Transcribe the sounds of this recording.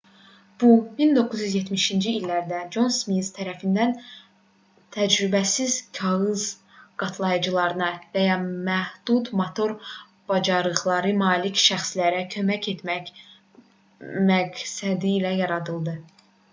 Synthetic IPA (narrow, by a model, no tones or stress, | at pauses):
b̥umind̪o̞kʰːɯzjyzje̞t̪miʃind͡ʒiːlːæɾd̪æd͡ʒo̞nsmizt̪ʰæɾæfind̪æn | t̪ʰæd͡ʒɾybæsiz̥cʰɑɣɯz | ɡ̥ɑt̪ʰlˠɑjɯd͡ʒɯlˠɑɾɯnɑvæjɑmæhd̪̥ut̪mot̪ʰo̞ɾ | b̥ɑd͡ʒɑɾɯɣlˠɑɾɯmɑːlicʃæxslæɾæcʰø̞mæce̞t̪mæc | mæksæd̪ilæjɑɾɑd̪ɯlˠd̪ɯ